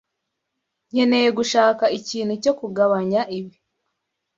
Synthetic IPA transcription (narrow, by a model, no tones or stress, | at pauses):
ɲe̞ne̞jeɡuʃaːkaiciːn̤uco̞kuɡaβaɲaʔiβi